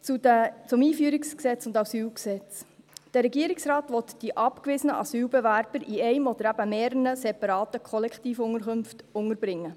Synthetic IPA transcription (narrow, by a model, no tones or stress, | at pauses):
t͡sut͡sʊmiːfyːɾiksksɛt͡sʊndɑsyːlksɛt͡sd̥ɛɾɛɡiəɾɪksrɑːtʋɔt̪d̥iʔɑpkʋɪsənəʔɑ̰syːlbɛʋærb̥əɾʔiɛɪmɔd̪əɾæb̥əmeːɾənəsɛpɑɾɑːtəkʰχɔlɛkχt̪iːfʊŋəɾkɵmftʊŋəɾbɾɪŋːə